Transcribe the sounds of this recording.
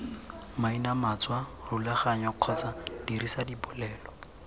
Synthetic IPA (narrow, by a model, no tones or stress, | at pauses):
mainamat͡swarulaχaɲɔq͡χʰɔt͡sad̥irisadipʊlɛːlɔ